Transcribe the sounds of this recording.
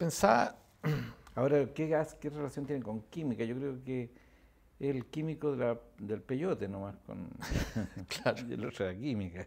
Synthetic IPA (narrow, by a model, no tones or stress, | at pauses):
pensa | aoɾakeaskerelasjont̪eneŋkoŋkimikajokɾeoke | elkimikoðelad̪elpejot̪enomahko̰n | t͡ɬʰat̪ðḛlorelakimika